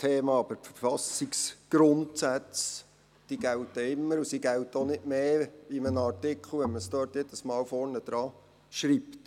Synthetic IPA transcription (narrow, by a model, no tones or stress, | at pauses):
t̪ʰeːmɑːɑbəɾfəɾfɑsiksɡ̥ɾʊntsæt͡s | d̥iɡæwtːɛɪmːəɾusiɡæwtonɪdmeːimənɑrtɪkʰl̩ʋɛnməsdøːɾtjed̥əsmɑːwfɔɾnəd̪̥ɾɑː | ʃɾipt